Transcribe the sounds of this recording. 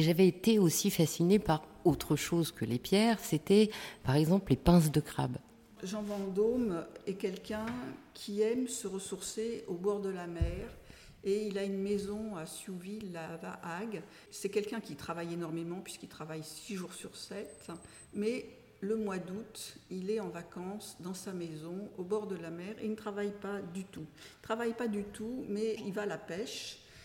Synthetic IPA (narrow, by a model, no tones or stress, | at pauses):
ʒavɛːt̪eosifasinepaʁot̪χəʃozkəlepjɛːʁset̪ɛpaʁɛɡzɑ̃plepɛ̃s̬d̪əkχa̰b | ʒɑ̃vɑ̃d̪omɛkʲɛlkʲɛ̃kʲʰiɛmsəʁəsuʁseobɔʁd̪əlamɛʁ | eilaynmezɔ̃asuvilavaʔaɡ | sɛkʲɛlkʲɛ̃kʲit̪χavajenɔʁmemɑ̃pɥiskilt̪χavajsiʒuʁsyʁsɛt̪ | mɛ | ləmwad̪ut̪ilɛɑ̃vakɑ̃sd̪ɑ̃samezɔ̃obɔʁd̪əlamɛʁḛinət̪χavajpad̪yt̪ut̪χavajpad̪yt̪umɛivaːlapɛʃ